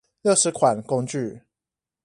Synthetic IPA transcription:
ljo˥˩ʊʂɻ̩˨˦kʰwa˨˩nko˦˥ŋt͡ɕy˥˨

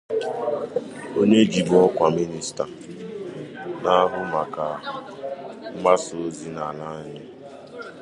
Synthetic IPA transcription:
o˦ɲe˦d͡ʒi˨ɡɔ˦kʷa˨mi˦ni˨sta˨ | na˦ɦʊ˦ma˨ka˨˦ | ma˦so˨˦zi˦na˨la˦ɲɪ˦

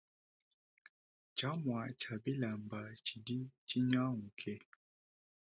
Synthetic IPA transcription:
t͡ʃa˨˦mwa˨t͡ʃa˨bi˦la˨mba˨t͡ʃi˨di˦t͡ʃi˦ɲa˦ŋu˨kʰɛ˦

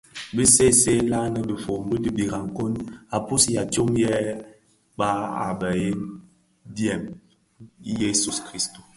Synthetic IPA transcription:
bi˦se˦˨se˦la˦nə˨bi˨fo˨m˦bi˦di˦bi˨ɾa˨ŋ̩˨ko˦na˨pu˦sja˨to˦mjɛ˦ | ɓa˦a̰˨bɛ˨je˦ | djɛ˨m˦ | je˦su˨skɾi˦sto˨

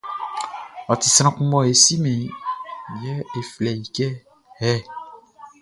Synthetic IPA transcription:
ɔ˨t̪i˨sɾ̃ã˨kũ˦mɔ̃˧e˨si˦mẽ˨ | jɛ˦e˨flɛ˨ji˨kɛ˦ | hɛ˦

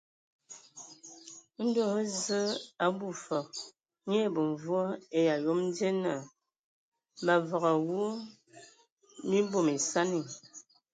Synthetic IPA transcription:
n̩˦do˦˨˦zə˦a˨bu˦˨fɔ˨ | ɲe˦˨bə˨ɱ˨vu˦ɔ˦e˦ja˨jo˦mn˦de˦na˨ | ma˨vɔ˨ɣa˨wu˦ | mi˦bo˦˨me˨sa˦ni˨

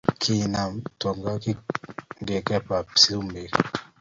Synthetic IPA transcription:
kʰi˨na˨mtɔ˨ŋɡa˦ki˦ŋɡe˨kɛ˦pa˨psi˦mbe˨k

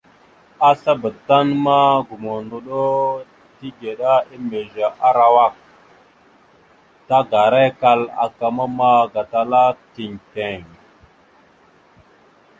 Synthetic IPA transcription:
a˦sa˦bə˨ta˦nma˦ɡu˨mo˨ndu˨ɗo˦ | ti˦ɡe˨ɗa˦i˦me˨ʒa˨ʔa˦ɾa˨wa˦˨k̚ | ta˦ɡa˨ɾe˦ka˦la̰˨ka˨ma˦ma˦ɡa˨ta˨la˦ti˨ŋte˨ŋ

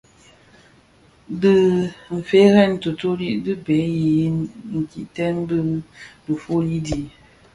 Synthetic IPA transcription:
dɨ˦m̩˨fe˨˦ɣɛ˦˨n˨to˨to˦li˦ʔdɨ˦be˨˦ji˨˦ŋ̩˨ki˨ʔtɛ˦nbɨ˦də˨fu˦li˦di˨

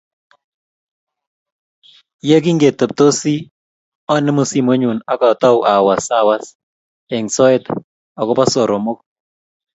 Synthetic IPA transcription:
je˦k̬i˦ŋɡe˨tə˨p̚to˦si˦ | ɔ˦nɪ˦mo˦˨si˦mo˦ɲu˨na˦kɔ˨tɔ˦wʔa˨wa˨sa˦wa˦s | ɛ˨ŋsɔ˦e˦t | ɔ˨kɔ˦pa˦so˨ɾo˨mo˦k̚

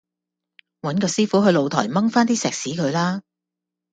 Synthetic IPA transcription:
wɐ˨˥nkɔː˧siː˥fuː˨˥ɦɵ˧jlo˨˧wt̪ʰɔ̰ː˨˩jmɐ˥ŋfaː˥nt̪iː˥sɛː˨k̚siː˨˥kʰɵ˨˧ɥlaː˥

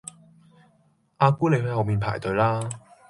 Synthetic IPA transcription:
ʔaː˧kuː˥le˨˧jɦɵ˨˧jɦɐ˨wmiː˨npʰa̰ː˨˩jt̪ɵ˨˧ɥlaː˥

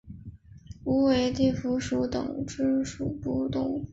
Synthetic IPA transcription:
u˧˥we˧˥ɪt̪i˥˩fu˧˥ʂu˧˥t̪ɤ̰˨˩ŋʈ͡ʂɻ̩˥ʂu˨˩pu˥˩t̪ʊ˨˩ŋ

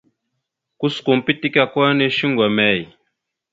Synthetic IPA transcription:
ku˦sku˨m̩˨pi˦ti˦ka˦kwa˦ne˦ʃi˦ŋɡwa˨mɛ˨˦˨j

